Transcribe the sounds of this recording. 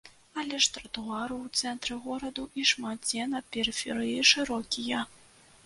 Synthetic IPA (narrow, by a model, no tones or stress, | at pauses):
ɐlʲɛʂt̪ɾɐt̪uaɾɨwt̪sɛnt̪ɾɨɣɔɾɐd̪uʔiʂmat̪̚d͡zʲɛnɐpʲɛɾɨfʲɛɾɨjiʂɨɾɔkʲijɐ